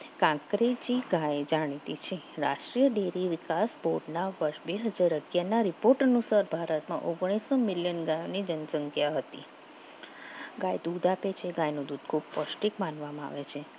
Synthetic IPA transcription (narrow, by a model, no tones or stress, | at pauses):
kãkɾed͡ʒiɡajd͡ʒaɽ̃it̪it͡ʃʰeɾa̰ʃʈɾijəɖeɾiʋɪkasboɾɖnaʋəɾʃbeɦəd͡ʒaɾəɡjanaɾipoɾʈənusaɾbʱaɾət̪mã̰ʔoɡɽ̃isomɪljənɡãjonid͡ʒənsəŋkʰjaɦət̪i | ɡajd̪ud̪apet͡ʃʰeɡajnũd̪ud̪̚ʱkʰub̚pəʃʈikmanʋamãa̰ʋet͡ʃʰe